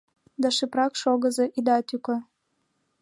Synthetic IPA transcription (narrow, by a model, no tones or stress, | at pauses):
d̪ɑʃɘprɑkʃoɣɤ̆zɤʔid̪ɑt̪ykɤ̆